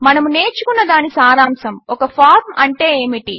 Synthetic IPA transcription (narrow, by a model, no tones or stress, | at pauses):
mɐnɐmune̞ːɾt͡ʃukunːɐd̪aːnisaːɾaːmsɐmɔkɐpʰaːɾmɐɳʈe̞ːeːmiʈi